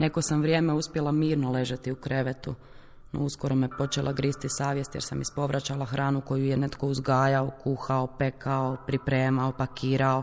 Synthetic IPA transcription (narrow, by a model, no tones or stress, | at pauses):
ne̞ko̞samʋɾjeːmeuspjelamiːɾnole̞ʒet̪iukɾe̞ʋet̪u | no̰usko̞ɾo̞mipo̞t͡ʃelʔaɡɾist̪isaːʋje̞st̪jeɾsamispo̞ʋɾʔat͡ɕalˠaxɾʔaːnuko̞jujene̞t̪ko̞uzɡaːjaokuxaopekʰaopɾipɾeːmaopakiːɾao